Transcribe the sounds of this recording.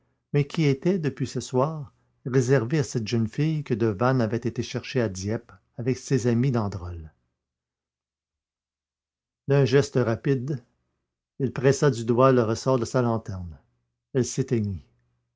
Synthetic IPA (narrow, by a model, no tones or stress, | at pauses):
mɛkʲiet̪ɛd̪əpɥisəswaːʁ | ʁezɛʁveasɛt̪ʒənfijkəd̪əvanavɛt̪et̪eʃɛʁʃead̪jɛp | avɛksezamid̪ɑ̃d̪ʁɔl | d̪ɛ̃ʒɛst̪əʁapid̪ | ilpʁɛsad̪yd̪waləʁəsɔʁd̪əsalɑ̃t̪ɛʁn | ɛlset̪eɲi